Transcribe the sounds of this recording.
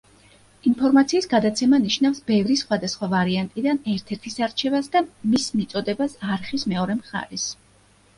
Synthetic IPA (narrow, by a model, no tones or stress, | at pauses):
inpʰɔɾmat̪sʰiːsɡad̪at̪sʰɛmaniʃnafsbɛvɾisχwad̪asχwavaɾiant̪ʼid̪anɛɾt̪ʰɛɾt̪ʰisaɾt͡ʃʰɛvasd̪amismit̪sʼɔd̪ɛbasaɾχismɛɔɾɛmχa̰ɾɛs